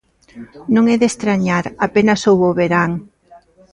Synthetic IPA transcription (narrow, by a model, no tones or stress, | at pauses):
nõŋɛðest̪ɾaɲaɾapenɐsowβoβeɾaŋ